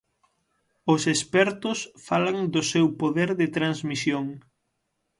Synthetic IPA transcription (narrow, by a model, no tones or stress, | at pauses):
ʊsespɛɾt̪ʊsfalaŋd̪ʊsewpoðɛɾðɪt̪ɾanzmisjoŋ